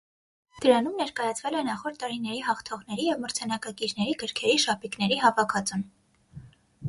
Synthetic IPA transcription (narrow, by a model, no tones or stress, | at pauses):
d̪̥əɾɑnumnɛɾkɑjɑt͡sʰvɛlɛnɑχɔɾt̪ːɑɾinɛɾiɦɑχt̪ʰɔʁnɛɾijɛvməɾt͡sʰɑnɑkɑkiɾnɛɾiɡəɾkʰɛɾiʃɑpiknɛɾiɦɑvɑkʰɑt͡sun